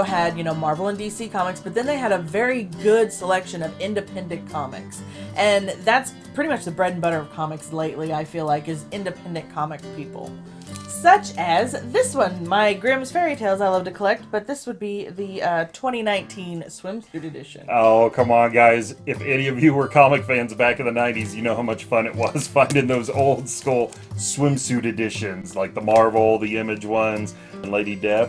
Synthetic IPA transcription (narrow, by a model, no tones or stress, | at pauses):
ɨdjɨñoʊmɑɹvl̩ˠə̃ndisikʰɑmɨksb̥ʌt̪̚ðɨ̃nðeɪɨɾəvɛɹiɡʊdsəlɛkʃɨ̃nʌvɪ̃ndɨpʰɛ̃ndɨ̃nkʰɑmɪ̰ksʔɨ̃nðæts | pʰɹ̥ɪɾimʌt͡ʃðɨbɹɛdⁿn̩bʌɾə˞ʌv̥kʰɑmɨksleɪʔˡliaɪfilaɪkɨzɪ̃ndɨpʰɛ̃ndɨ̃nkʰɑmɨkpʰipl̩ˠ | sʌt͡ʃɨzðɪswʌ̃nmaɪɡɹɪ̃mz̥fɛɹitʰeɪlˠzaɪlʌv̚tʰɨkʰəlɛk̚t̚b̥ʌt̪̚ðɪswəd̚biðɨʌtʰw̥ɛ̃ɾ̃inãɪ̃ntʰĩnswɪ̃msʉɾɨdɪʃɨ̰̃noʊkʰʌ̃mə̃nɡaɪzɨfɛniʌvjɨwə˞kʰɑmɨkfæ̃nzbækʌ̃ðɨnãɪ̃ntizjɨnoʊhaʊmʌt͡ʃfʌ̃nɨʔwʌz̥fãɪ̃ndɪ̃ŋðoʊzoʊlˠd̥skulˠ | swɪ̃msʉɾɨdɪʃɨ̃nzlaɪk̚ðəmɑɹvl̩ˠðiɪ̃mɨd͡ʒwʌ̃nz̥ | ɨ̃nleɪɾidɛf